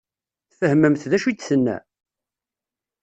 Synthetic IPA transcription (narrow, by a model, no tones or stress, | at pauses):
θfəhməmθðæʃid̪θənːæ̰